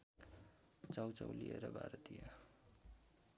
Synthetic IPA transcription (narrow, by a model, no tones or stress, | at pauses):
t͡sawt͡sawlijeɾʌbʱa̰ɾʌt̪ijʌ